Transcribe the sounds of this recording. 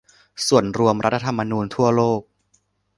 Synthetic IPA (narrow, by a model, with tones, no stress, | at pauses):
su˨˩ənɾu˧əmɾʔa˦˥t̪ʰːa˧t̪ʰa˧mːa˧nuː˧nt̪ʰu˥˩ɐloː˥˩k̚